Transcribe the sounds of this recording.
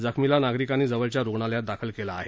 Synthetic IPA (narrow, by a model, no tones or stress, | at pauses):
d͡zəkʰmilanaɡɾikaniːd͡zəʋəɭt͡ɕjaɾoɡɳaljat̪̚d̪akʰəlkelaːɦe